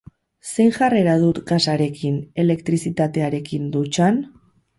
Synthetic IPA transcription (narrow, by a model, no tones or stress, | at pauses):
se̞jŋʝare̞ɾaðut̪ɡasaɾe̞kine̞le̞kt̪ɾisit̪at̪e̞aɾe̞kind̪ut͡ʃan